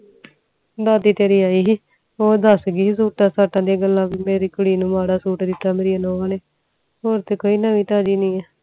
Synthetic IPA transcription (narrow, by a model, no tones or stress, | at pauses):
d̪aːd̪iːt̪eːɾiːaːiː | oːd̪əsɡiːsuːʈaːsaːʈãːd̪iaɡəlːãːmeːɾiːkʊɽiːnũːmaːɽaːsuːʈd̪ɪt̪ːaːmeːɾiːanoːaːneː | ɦoːɾt̪eːkoːiːnaːʋĩːt̪aːd͡ʒiːnĩːɛː